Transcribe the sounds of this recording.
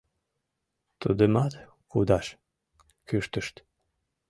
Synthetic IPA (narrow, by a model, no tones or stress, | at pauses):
t̪ud̪əmɑt̪ | kud̪ɑʃ | kyʃt̪əʃt̪